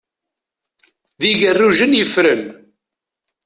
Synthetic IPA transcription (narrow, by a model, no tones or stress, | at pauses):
ðiʝərːuʒənjəfɾən